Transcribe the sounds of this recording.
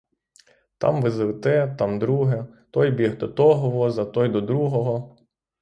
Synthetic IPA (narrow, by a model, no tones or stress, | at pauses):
t̪ɑ̰mʋɪzlˠet̪ɛt̪ɑmd̪ɾuɦɛt̪ɔjbʲiɦd̪ɔt̪ɔɦɔʋɔzɐt̪ɔjd̪ɔd̪ɾuɦɔɦɔ